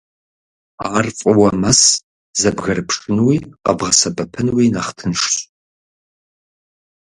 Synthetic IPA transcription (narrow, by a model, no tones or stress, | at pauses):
aːrfʼɨwɐmɐs | zɐbɣɐɾɨpʰʂʼɨnwiːqɐ̰bʁɐsɐbɐpʰɨnwinɐχtʰɨnʂɕʼ